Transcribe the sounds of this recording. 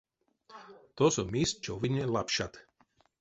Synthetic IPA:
t̪ɔsɔmist͡ʃɔʋinʲɛlapʃat̪

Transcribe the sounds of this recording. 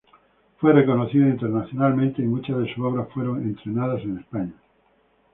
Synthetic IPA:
fwereko̞noθiðoint̪e̞ɾnaθjo̞nalmẽnt̪eimut͡ʃazðesuoβɾasfwe̞ɾo̞ŋẽ̞nt̪ɾe̞naðase̞nespaɲa

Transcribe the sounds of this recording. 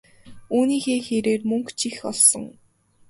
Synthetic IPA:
uːniːxeːxeɾeːrmɵŋkt͡ɕʰixɔɮsɞ̆ŋ

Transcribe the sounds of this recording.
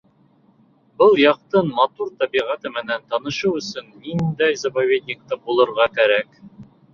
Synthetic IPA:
bɤlˠjɑq̚t̪ɤnmɑt̪uɾt̪ɑbiʁæt̪ɘmɘ̆nænt̪ɑnɤ̆ʃɤwɵ̆sɵnːind̪æjzɐpavʲed̪ʲnʲɪk̚t̪ɑbulˠɤ̆ɾʁɑkæɾæk

